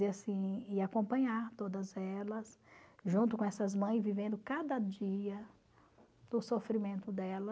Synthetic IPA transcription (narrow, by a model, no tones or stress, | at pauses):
easĩɪakõpɐ̃ɲaɾt̪od̪ɐzɛlɐsʒũnt̪ʊkõɛsɐzmɐ̃j̃zvivẽnd̪ʊkad̪ɐd͡ʒiɐ | d̪ʊsofɾimẽnt̪ʊd̪ɛlɐ